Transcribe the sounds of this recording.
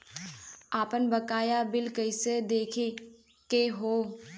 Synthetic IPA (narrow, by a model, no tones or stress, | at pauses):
aːpənbɐkaːjabɪlkəɪsed̪eːkʰe | keɦoː